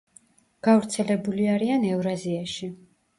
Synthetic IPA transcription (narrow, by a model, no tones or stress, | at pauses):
ɡ̥avɾt̪sʰɛlɛbuliaɾianɛvɾaziaʃi